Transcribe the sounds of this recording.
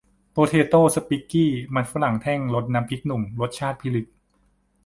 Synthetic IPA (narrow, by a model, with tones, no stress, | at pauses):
poː˧t̪ʰeː˧t̪oː˥˩sa˧piː˦˥kːiː˥˩ma˧˥nfa˧˥la˨˩˦ŋt̪ʰɛː˥˩ŋlo˦˥t̪̚naː˦˥mkʰi˦˥k̚nu˨˩ŋlo˦˥t̪̚t͡ɕʰaː˥˩t̪̚pʰi˦˥li˦˥t̪̚